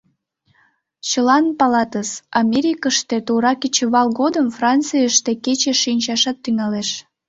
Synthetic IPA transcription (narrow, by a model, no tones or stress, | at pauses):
t͡ɕəlɑnpɑlɑt̪əsɑmʲeɾʲikəʃt̪et̪uɾɑket͡ɕəβɑlɣod̪əmfrɑnt͡sɨjəʃt̪eket͡ɕeʃinʲt͡ɕɑʃɑt̪ːyŋɑleʃ